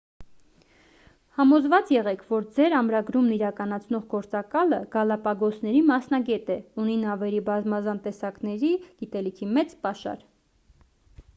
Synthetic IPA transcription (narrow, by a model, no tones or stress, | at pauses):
hɑmɔzvɑt͡sjɛʁɛkʰvɔɾd͡zɛɾɑmɾɑɡɾumniɾɑkɑnɑt͡sʰnɔʁɡɔɾt͡sɑkɑləɡ̥ɑlɑpɑɡɔsʰnɛɾimɑsnɑɡɛt̪ɛuninɑvɛɾibɑzmɑzɑnt̪ɛsɑknɛɾiɡ̥it̪ɛlikʰimɛt͡spɑʃɑ̰ɾ